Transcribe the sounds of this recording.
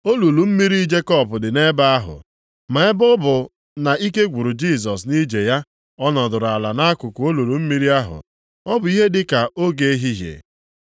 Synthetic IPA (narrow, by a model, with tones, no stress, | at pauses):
o˦lu˨lu˨m̩˦mi˦ɾi˦i˦d͡ʒe˦kɔ˦˨pʊ˨dɪ˨ne˦ba˦a˦ɦʊ̰˨ | ma˨ɪ˦bʊ˦bʊ˨ | na˨i˦ke˦ɡʷu˨ɾʊ˨d͡ʒi˦˨s̬ɔ˨s̬ni˦d͡ʒe˨ja˦ | ɔ˦nɔ˨dʊ˨ɾʊ˨a˨la˨na˦a˦kʊ˨kʊ˨o˦lu˨lu˨m̩˦mi˦ɾi˦a˦ɦʊ̰˨ | ɔ˦bʊ˨˦i˦ɦe˦dɪ˦ka˨ʔo˦ɡe˨˦ɦi˦ɦjḛ˨